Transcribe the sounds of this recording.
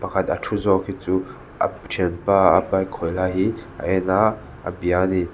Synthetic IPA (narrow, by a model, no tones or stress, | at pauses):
pɐkʰat̪atʰuzɔkʰit͡su | ʔa̰ | ʈ͡ʂʰɛnpaa̰pajkʰɔjlaɦia̰ʔɛna | a̰biani